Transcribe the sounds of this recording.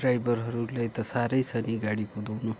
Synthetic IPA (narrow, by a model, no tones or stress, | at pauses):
ɾajbʌɾɦʌɾulajt̪ʌsaɾʌjsʰʌniɡaɽikod̪ownu